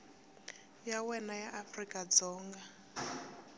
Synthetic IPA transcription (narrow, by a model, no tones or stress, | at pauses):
jawɛnajaʔafrikʼad͡zɔːŋɡa